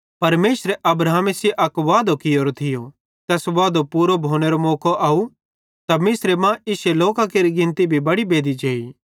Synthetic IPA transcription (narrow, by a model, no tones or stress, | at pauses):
pɐɾmeːsɾeʔɐbɾaːmeseʔɐkʋaːd̪okɪjoːɾot̪ʰɪjo | t̪ɛːsʋaːd̪opuːɾobʱoːñeɾomoːkoʔaːu | t̪amɪsɾemãʔɪseloːkakeːɾiɡɪ̃nt̪ibʱibɐɽibeːd̪id͡ʒeːi